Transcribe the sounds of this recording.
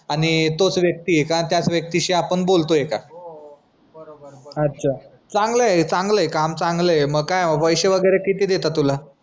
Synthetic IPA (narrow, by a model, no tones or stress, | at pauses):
añit̪ot͡sʋjək̚t̪iekat̪jat͡sʋjək̚t̪iɕiapəɳbolt̪ojeka | ətːɕʰa | t͡sãŋɡlət͡sãŋɡləjkamt͡saŋɡləeməɡkajməɡʋəjɕəʋəɡəjɾekit̪iːd̪et̪at̪ːula